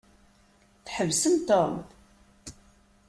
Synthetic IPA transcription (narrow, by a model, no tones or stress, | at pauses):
θħəvsəmt̪om